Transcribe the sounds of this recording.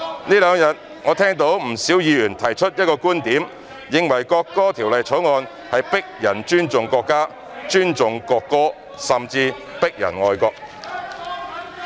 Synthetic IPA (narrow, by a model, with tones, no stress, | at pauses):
niː˥lœː˨˧ŋjɐ˨t̚ | ŋɔː˨˧t̪ʰɛː˥ŋt̪o˨˥wm̩˨˩siː˨˥wjiː˨˧jyː˨˩nt̪ʰɐ˨˩jt͡ʃʰɵ˥t̚jɐ˥t̚kɔː˧kuː˥nt̪iː˨˥m | jɪ˨˧ŋwɐ˨˩jkɔː˧kːɔː˥t̪ʰiː˨˩wlɐ˨jt͡sʰo˨˥wŋɔː˧n | hɐ˨jpɪ˥k̚jɐ˨˩nt͡ʃyː˥nt͡sʊ˨ŋkɔː˧kːaː˥ | t͡ʃyː˥nt͡ʃʊ˨ŋkɔː˧kːɔː˥ | sɐ˨˩mt͡siː˧ | pɪ˥k̚jɐ̰˨˩nŋɔː˧jkɔː˧k̚